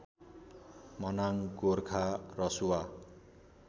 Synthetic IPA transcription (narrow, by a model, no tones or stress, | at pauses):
mʌnaŋɡorkʰarʌsuwa